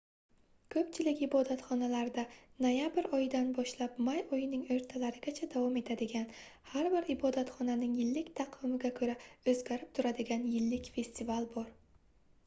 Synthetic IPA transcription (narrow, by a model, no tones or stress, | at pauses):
kʰɵpt͡ʃʰɪlɪkʲɪbɒd̪at̪χɒnalaɾd̪anojabɪɾɒjɪd̪anbɒʃlapmajɒjɪnɪŋɵɾt̪ʰalaɾɪɡʲat͡ʃʰad̪avɒme̞t̪ʰad̪ɪɡʲanhaɾbɪɾɪbɒd̪at̪χɒnanɪŋjɪlːɪkʲt̪ʰɑqʰɪmɪɡʲakʰɵɾaɵzɡʲaɾɪp̚t̪ʰʊɾad̪ɪɡʲanjɪlːɪkʲfe̞st̪ivalˠbɒɾ